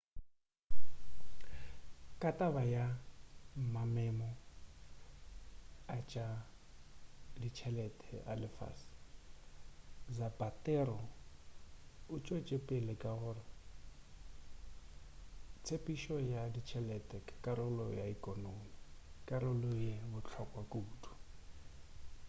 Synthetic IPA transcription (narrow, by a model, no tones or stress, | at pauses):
kʼatʼabaja | mamɛmɔ | at͡ʃʼa | dit͡ʃʰɛlɛtʼɛa̰lɪfa̰s | d͡zabʼatʼɛɾɔ | ʊt͡ʃʼot͡ʃʼepʼelɪkʼaɣʊrɔ | t͡sʰepʼiʃɔjadit͡ʃʰɛlɛtʼɛkʼakʼaɾʊlɔjaikʼɔnomikʼaɾʊlʊjebʊt͡ɬʰɔkʼwakʼuːtʰʼu̥